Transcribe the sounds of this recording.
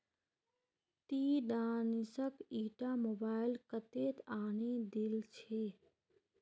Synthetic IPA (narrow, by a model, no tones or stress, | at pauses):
t̪iɖaːnisəkiːʈamobaːɪlkət̪et̪aːnid̪ilt͡ʃʰe